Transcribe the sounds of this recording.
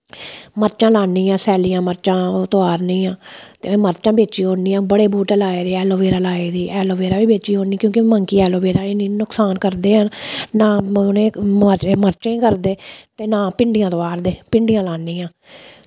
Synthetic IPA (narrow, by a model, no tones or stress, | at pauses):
məɾt͡ʃãːlaːniːãːsɛːliːãːməɾt͡ʃãːt̪oaːɾnĩːãːt̪ḛːẽːməɾt͡ʃãːbeːt͡ʃiːɦoːniːãːbəɽeːbuːʈɛlaːeːd̪eːɛːloːʋeːɾaːlaːiːd̪iːʔɛːloːʋeːɾaːbiːbeːt͡ʃiːɦoːniːkjõːkɪməŋkiːɛːloːʋeːɾaːeːnĩːnʊksaːnkəɾd̪eːɦənnaːnẽːəməɾt͡ʃẽːkəɾd̪eːt̪eːnaːpɪɳɖɪjãːt̪oaːɾd̪eːpɪɳɖijãːlaːniːãː